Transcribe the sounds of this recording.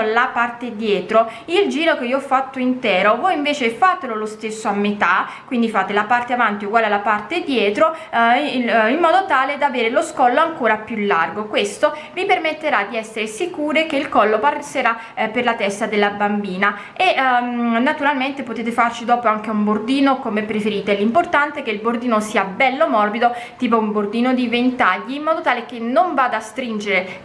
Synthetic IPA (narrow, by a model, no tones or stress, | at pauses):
lapart̪ed̪jɛːt̪ɾoild͡ʒiːɾokeioɔfːat̪ːoint̪ɛːɾovojiɱveːt͡ʃefaːt̪elolost̪esːoamːet̪a | kwind̪ifaːt̪elapart̪eavant̪iuɡwaːlealapart̪ed̪jɛːt̪ɾo | imːɔːd̪ot̪aːled̪aveːɾeloskɔlːoaŋkoːɾapjulːa̰rɡokwest̪o | vipermet̪ːeɾad̪iɛsːeɾesikuːɾekeilkɔlːopareseɾa | pːerlat̪ɛst̪ad̪elːabambiːna | eʔnːat̪uɾalment̪epot̪eːt̪̬efart͡ʃid̪ɔːpoaŋk̟eumbord̪iːnokomeɛpːɾefeɾiːt̪elimport̪ant̪ekeilbord̪iːnosiːabɛlːomɔrbid̪ot̪iːp̬oumbord̪iːnod̪ivent̪aʎːiːmːɔːd̪ot̪aːlekenːoɱvaːd̪aːst̪ɾind͡ʒeɾe